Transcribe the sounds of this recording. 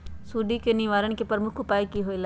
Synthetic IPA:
suːɖikeniʋaːɾəɳkepəɾmʊkʰʊpaːikiɦoːila

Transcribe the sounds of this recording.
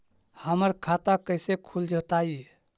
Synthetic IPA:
həməɾkʰat̪akəɪsekʰuld͡ʒət̪ai

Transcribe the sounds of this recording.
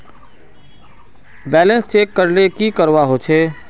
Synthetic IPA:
bɛːlə̃nst͡ʃeːkːəɾlekikəɾʋaɦot͡ʃʰeː

